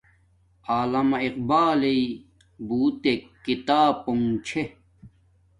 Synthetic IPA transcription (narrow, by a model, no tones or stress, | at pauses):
aːlɐmɐiqbaːlei | buːt̪ekit̪aːpoŋt͡ɕʰe